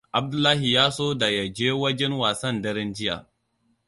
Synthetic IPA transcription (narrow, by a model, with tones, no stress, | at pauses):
ʔa˨b̚dʊ˦lːaː˦ɦi˨jaː˦soː˦da˨ja˨d͡ʒeː˦wɐ˦d͡ʒɛ˦nwaː˨sɐ˦ndɐ˦ɾɛ˦nd͡ʒɪ˦ja̰˨